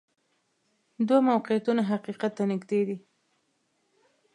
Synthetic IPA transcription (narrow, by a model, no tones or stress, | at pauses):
d̪wamawqɪjat̪unaɦaqiqat̪ːanɪɡd̪ed̪i